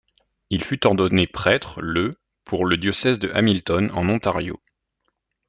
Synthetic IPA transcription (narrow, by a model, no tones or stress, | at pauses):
ilfyt̪ɔʁd̪ɔnepχɛt̪χlə | pʰuʁləd̪jɔsɛzd̪əʔa̰milt̪ɔnɑ̰̃nɔ̃t̪aʁjo̰